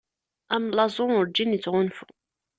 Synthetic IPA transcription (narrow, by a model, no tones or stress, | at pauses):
æmlɑzˤʊʊɾd͡ʒːinit͡sːʁʊnfṵ